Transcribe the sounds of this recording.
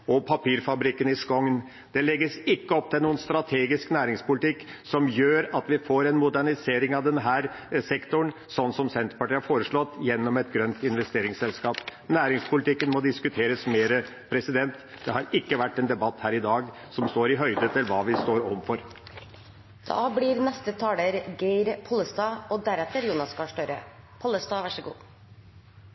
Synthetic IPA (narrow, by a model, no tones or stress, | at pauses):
ɔpʰɑpiːɾfɑbɾɪkːənɪskɔŋn | d̪̥ɛlɛɡːəsɪkːəɔp̚ːt̪ɪlnuːənst̪ɾɑt̪ʰeːɡɪsknæːɾɪŋspʊlɪt̪ɪkːsɔmjøːɾɑt̪ʋɪfoːɾɛnmʊd̪æɳɪseːɾɪŋɑʋd̪ɛnɦæːɾsɛkt̪ʊɳ | sɔnːsɔmsɛnt̪ɾəpɑʈiːɑɾfoːɾəʂɭɔt̪ːjɛnːɔmɛt̪̚ɡɾœnt̪ɪnʋɛst̪eːɾɪŋsɛlskɑːpnæːɾɪŋspʊlɪt̪ɪkːənmɔd̪ɪskʉt̪ʰeːɾəsmeːɾə | pʰɾɛsɪd̪ɛnt̪d̪̥ɛhɑɾɪkːəʋæʈːɛnd̪ɛbɑt̪ːhæːɾɪd̪ɑːɡ | sɔmst̪oːɾɪɦœʏd̪ət̪ʰɪlʋɑːʋɪst̪oːɾɔmfɔɾ | d̪̥ɑ̰ːblɪɾnɛst̪ət̪ʰɑːləɾɡeɪɾpʰɔləst̪ɑːɔd̪æɾɛt̪ːəɾjuːnɑskɑʂʈœɾə̰ | pʰɔləst̪ɑːʋæʂəɡṵː